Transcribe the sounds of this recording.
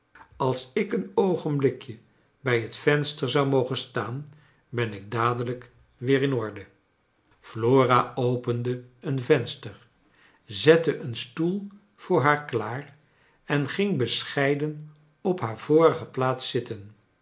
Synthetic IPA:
ɑlˠsɪkənowχənblɪkjə | bɛjɦətfɛnstəɹzɑwmowχənstaːn | bɛnɪɡ̚daːdələk | ʋɪːɾɪnɔɹdə | floːraowpəndəənvɛnstəɹ | zɛtəʔənstulˠ | v̥ʊːɹɦaːɹklaːr | ɛnχɪŋbəsχɛjdən | ɔpɦaːɹv̥oːrəχəplaːtsɪtən

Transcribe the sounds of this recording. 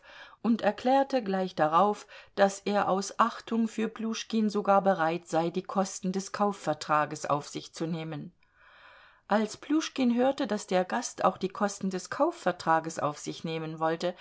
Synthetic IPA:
ʔʊntɛɐkl̥ɛːɐtəɡlaɪçd̥aʁaʊfd̥asʔeːɐʔaʊsʔaχtʰʊŋfyːɐpluːʃkinzoɡaːɐbəʁaɪtz̥aɪdiːkʰɔstn̩dɛskʰaʊfɛɐtʁ̥aːɡəsʔa̰ʊfz̥ɪçt͡suneːmən | ʔalspʰluːʃkinɦøːɐtəd̥asd̥eːɐɡastʰa̰ʊxd̥iːkʰɔstn̩dɛskʰaʊfːɛɐtʁ̥aːɡəsʔa̰ʊfz̥ɪçneːmənvɔltə

